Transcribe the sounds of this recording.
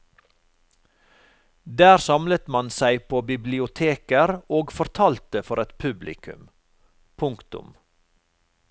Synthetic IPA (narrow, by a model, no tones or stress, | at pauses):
d̪æːɾsɑmlət̪mɑnsæɪpʰoːbɪblɪʊt̪ʰeːkəɾoːɡfɔɾt̪ʰɑːlt̪əfɔɾɛt̪pʰʉblɪ̰kʰʉ̰m | pʰʊŋkt̪ʊ̰m